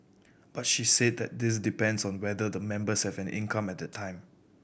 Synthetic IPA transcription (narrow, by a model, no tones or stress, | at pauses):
b̥at̚ʃised̚dɛt̚dɪs̬dipɛ̃ndsɔ̃nwɛdədəmɛ̃mbəshɛvɛ̃nʔɪ̰̃nkʰãmɛt̚dətʰãɪ̃m